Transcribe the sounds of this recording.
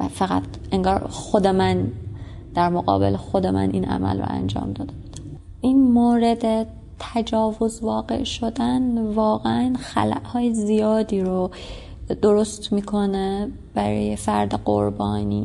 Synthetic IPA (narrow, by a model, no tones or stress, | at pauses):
æ̰fæɣæt̪ʰ | e̞ŋɡɒːɾxo̞d̪e̞mæn | d̪̥æɾmoɣɒ̰ːbe̞̰lexo̞d̪emæ̰nʔḭːnʔæ̰mæ̰lro̰ʔæ̰nd͡ʒɒ̰ːmd̪ɒːd̪ebud̪̥ | ʔinmoːɾe̞d̪e | t̪ʰæd͡ʒɒːvo̞zvɒːɢe̞̰ʔʃo̞d̪ænvɒːɣeʔænxæ̰læ̰ʔhɒːjezijɒːd̪iːɾo | d̪̥o̞ɾo̞st̪miːkʰo̞ne | b̥æɾɒ̰ːjefæɾd̪eɢo̞̰ɾbɒːnḭː